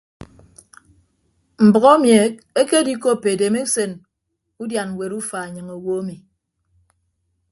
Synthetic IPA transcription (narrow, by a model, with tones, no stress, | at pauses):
m̩˨bɔ˨ɣɔ˦mje˨k̚e˦ke˦di˦ko˦˨pːe˨de˨me˦se˨n | u˦dja˨n˨we˨ɾu˦fa˨e˨ɲɨ˨ŋo˨wo˦mi˨